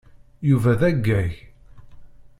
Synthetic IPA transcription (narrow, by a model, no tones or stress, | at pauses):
juvæðæɡːæj